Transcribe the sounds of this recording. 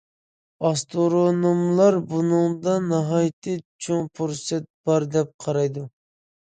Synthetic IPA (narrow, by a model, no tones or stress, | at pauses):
ɑst̪ʰoɾonumlˠɑɾbunɨŋd̪ɑnɑɦɑjt̪ʰɨt͡ʃʰoŋpʰuɾsɛt̪̚b̥ɑɾd̪ɛp̚qʰɑɾɑjd̪u